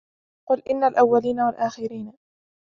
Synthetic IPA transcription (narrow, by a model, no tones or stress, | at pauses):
qʊlʔɪnːalʔawːaliːnawalʔaːxɪɾiːn